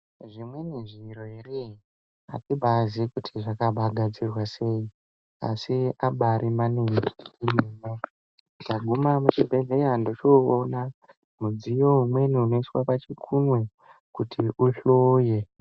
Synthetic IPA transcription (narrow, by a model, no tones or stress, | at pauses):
ʐimwe̞niʐiroɦere | a̰tibʱazikutʰiʐakaɓʱaɡʱad͡zirwase̞i | a̰siaɓaɾimaneniimeːme | daɡʱumamut͡ʃibʱe̞ɮeandot͡ʃoːna | mud͡zijo̞ɦumwe̞niuno̞iswapat͡ʃikʰunwe̞ | kutʰiuɬoːje